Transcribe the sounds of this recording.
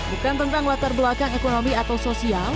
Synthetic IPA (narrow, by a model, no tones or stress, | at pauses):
bukant̪ənt̪aŋwat̪arbəlakaŋekonomiat̪awsosial